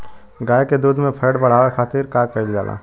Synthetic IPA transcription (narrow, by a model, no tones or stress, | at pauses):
ɡaːeked̪uːd̪mẽpʰeːɽɖbɐɽ̤aːʋexaːt̪iɾkaːɾkɐild͡ʒaːlʔa̰ː